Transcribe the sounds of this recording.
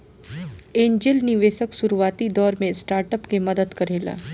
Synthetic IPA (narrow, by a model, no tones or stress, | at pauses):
ẽːɲd͡ʒɪlnɪʋeːʃəksuɾuʋaːt̪id̪ɔːɾmẽsʈaːɾʈəpkemɐd̪əd̪kɐɾeːla̰ː